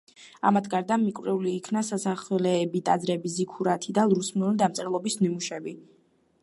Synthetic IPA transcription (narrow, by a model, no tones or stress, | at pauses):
a̰mat̪ʰɡaɾd̪amikʼvɾɛuliːkʰnasasaχlɛːbit̪ʼazɾɛbizikʰuɾat̪ʰid̪alˠɾusmulid̪amt̪sʼɾɛlˠɔbismimuʃɛbi